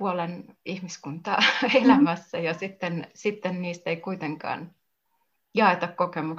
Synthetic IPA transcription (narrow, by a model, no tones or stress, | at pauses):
uolenihmiskunt̪ɑelæmæsːæjɑsit̪ːensit̪ːenniːst̪eikuit̪eŋkɑ̰ːn | jɑet̪ɑkkokemuk